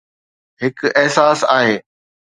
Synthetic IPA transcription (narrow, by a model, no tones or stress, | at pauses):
ɦɪkʔɪɦsaːsaːɦeː